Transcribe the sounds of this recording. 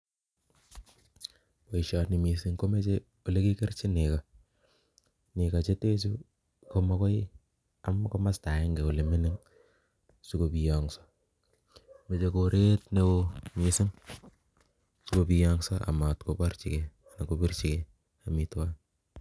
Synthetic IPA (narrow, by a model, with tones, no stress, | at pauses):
po˨i˨ʃa˨tni˨mi˨sɪ˦ŋko˦me˦t͡ʃe˦ | o˨le˦ki˦ke˦ɾt͡ʃi˦ne˨ka˨ | nɪ˨ka˨t͡ʃe˦te˦t͡ʃu˦ | ko˦ma˦kɔ˦ɪ | a˨mko˦ma˦sta˨ɛ˦ŋɡe˨o˨le˨me˦nɪ˦ŋ | su˦ko˨pi˨jaŋsḁ˦ | me˨t͡ʃe˨ko˨ɾʔe˦tne˦komi˨sɪ˦ŋ | su˦ko˨pi˨ja˦ŋsa˦a̰˨ma˨tko˨pa˦rt͡ʃi˨ke˨ | a˨na˨ko˨pi˦rt͡ʃi˨kɛ˨ | a˨mi˨twa˦n